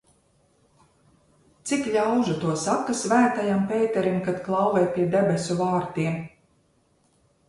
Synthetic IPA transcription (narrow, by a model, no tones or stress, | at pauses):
t̪sikʎʲawʒat̪uɔsakasvæːt̪ajampeːt̪ɛɾimkat̪klˠɑwvɛjpʲiɛd̪ebesʲuvaːɾt̪iɛm